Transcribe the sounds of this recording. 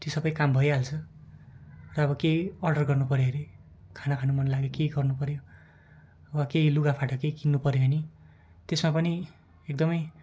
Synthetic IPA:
t̪isʌbʌjkambʱʌjɦalt͡sʰʌ | rʌʌbʌkejʌrɖʌrɡʌrnupʌɾjeɾe | kʰanakʰanumʌnlaɡekejɡʌrnupʌɾjo | wakejluɡapʰaʈʌkejkinːupʌɾjoɦʌni | t̪esmapʌni | ek̚d̪ʌmʌj

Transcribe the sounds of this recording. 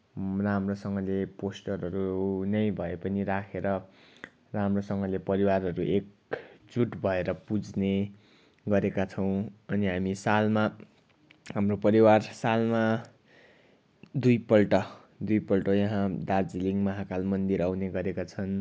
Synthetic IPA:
ramrosʌŋɡʌleposʈʌrɦʌɾunʌjbʱʌepʌniɾakʰeɾʌ | ramrosʌŋɡʌlepʌɾiwarɦʌɾuʔek | d͡zuʈbʱʌeɾʌpud͡zne | ɡʌɾekat͡sʰʌw̃ʌniɦamisalma | ɦamropʌɾiwarsalma | d̪ujpʌlʈʌ | d̪ujpʌlʈʌjʌɦãd̪ard͡ziliŋmʌɦakalmʌnd̪iɾawneɡʌɾekat͡sʰʌn

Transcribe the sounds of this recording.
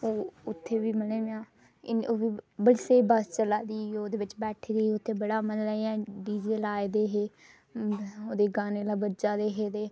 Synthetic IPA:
oːʊt̪ʰːeːʋiːməleːʋãː | ɪoːʋiːbəɽːseːbəst͡ʃəlaːd̪iːoːd̪eːʋɪt͡ʃbɛːʈʰeːd̪iːeʊt̪ʰːeːbəɽaːmənlaːɛ̃ːɖiːd͡ʒeːlaːed̪eːɦeː | oːd̪eːɡaːneːlaːbəd͡ʒaːd̪eːɦeːd̪eː

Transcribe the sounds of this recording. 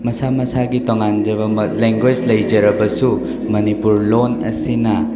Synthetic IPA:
mɐsamɐsaɡitoŋand͡ʒɐbɐmɐleŋɡwed͡ʒlɐjd͡ʒɐɾɐbɐsu | mɐnipuɾlonɐ̰sinɐ

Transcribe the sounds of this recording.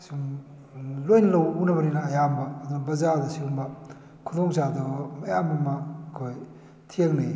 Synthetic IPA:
suŋ | lojnlɐwunɐbɐninɐːjambɐːd̪unɐbɐzadɐsiumbɐ | kʰundoŋsaduɡmɐjamɐmɐːkʰoj | tʰieŋni

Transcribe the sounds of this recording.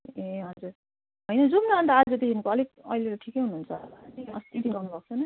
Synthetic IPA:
eɦʌd͡zuɾ | ɦʌjnʌd͡zumnʌʌnt̪aad͡zod̪eɦinkoʌlek̚ʌ̰ileɾʌʈʰikejɦunuɦːunt͡sʰʌʌ̰st̪ʰit̪iɡʌrnubʌk̚t͡sʰʌnʌ

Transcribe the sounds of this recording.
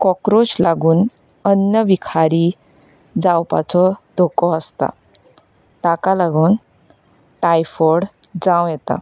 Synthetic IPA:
kɔkɾoslaɡuːn | ənjəʋikʰaɾiː | d͡zawpa̰t͡sɔd̪̥ʱokɔəst̪a̰ | ʈakalaɡuːn | ʈajfɔɾɽ | d͡zãwjɛt̪a̰

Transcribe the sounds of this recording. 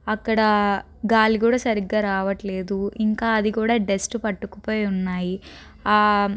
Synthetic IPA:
ɐkːɐɽɐ | ɡaːlikuːɽaːsɐɾiɡaːɾaːʋɐʈleːd̪uiŋkaːɐd̪ikuːɽaːɖesʈpɐʈːukupo̞ːjunːaːji | aː

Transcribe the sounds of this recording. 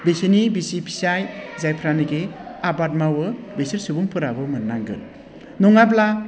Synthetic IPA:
besinibisipʰi̥sajzajpʰɾanɯɡeabat̚mawɯbesɯɾsubuŋpʰɯɾabɯmɯnːaŋɡɯ̰t | nɔŋabla

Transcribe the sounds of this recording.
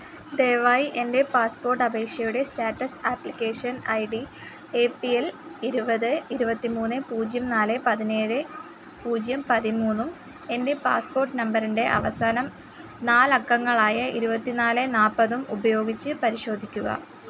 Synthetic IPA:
ɖeːʋɐjʔe̞nde̞paːspo̞ːrʈɐbʱe̞ːkʂjɐjuɽe̞staːʈːɐsaːplikʲːeːʂɐnɐjɖi | eːpieliɾubɐðɨiɾubɐt̪ːimuːnːɨpuːd͡ʑjɐmnaːlɨpɐðine̞ːɻɨ | puːd͡ʑjɐmpɐðimuːnːum | e̞nde̞paːspo̞ːrʈːɨnɐmbɐɾinde̞ʔɐ̰ʋɐsaːnɐm | naːlɐkːɐŋːɐɭaːjɐiɾubɐt̪ːinaːlɨnaːpːɐðumubɐjo̞ːɡit͡ɕːɨpɐɾiɕo̞ːd̪ʱikʲːuɣɐ̰

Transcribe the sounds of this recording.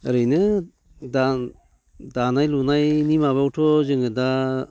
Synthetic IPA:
ɾɯjnɯ | da | danajlunajnimaβawtʰɔzɯŋɡɯda

